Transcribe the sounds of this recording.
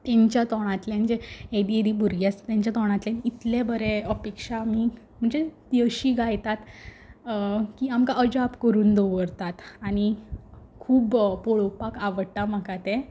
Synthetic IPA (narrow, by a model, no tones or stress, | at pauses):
t̪jaɲt͡ɕjat̪ɔɽ̃at̪ljãnd͡ʑeed̪ieɾiːbʱuɾɡjast̪jaɲt͡ɕjat̪ɔɽ̃ãt̪lenit̪lebəɾeəpekʂami | m̤əɳd͡zet̪iəɕiːɡʱajt̪at̪ | kiamkaʔəd͡ʑapkəɾuːnd̪oʋəɾt̪at̪añikʰuːbpoɭopakaʋəɽt̪am̤akat̪ẽ